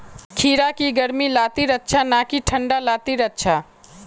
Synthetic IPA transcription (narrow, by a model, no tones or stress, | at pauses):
kʰiːɾakiɡəɾmilaːt̪iɾətːʃʰanakiʈʰə̃ɳɖalaːt̪iɾətːt͡ʃʰa